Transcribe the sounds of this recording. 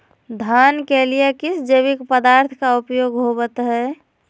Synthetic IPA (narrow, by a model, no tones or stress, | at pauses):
d̪ʱankelijekɪsd͡ʒəβikpəd̪aːɾt̪ʰkaupjoːɡɦobət̪ɦɛ